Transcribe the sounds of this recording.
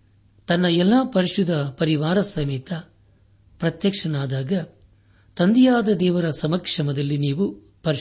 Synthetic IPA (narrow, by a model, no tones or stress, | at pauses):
t̪ɐnːɐɛlːaːpɐɾiʂud̪ʱɐpɐɾiʋaːɾɐsɐmiːt̪ɐ | pɾɐt̪jɐkʂɐnaːd̪aːɡɐ | t̪ɐnd̪ijaːd̪ɐd̪ɛːʋɐɾɐsɐmɐkʂɐmɐd̪ɐlːiniːʋu | pɐɾ